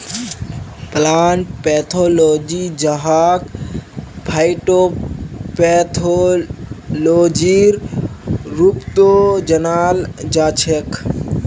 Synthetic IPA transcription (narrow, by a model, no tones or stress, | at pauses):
plaːɳʈ̚peːt̪ʰoːloːd͡ʒid͡ʒɐɦaːk | pʰajʈopet̪ʰo | loːd͡ʒiɾ | ɾupt̪od͡ʒɐnaːld͡ʒaːt͡ʃʰekʰ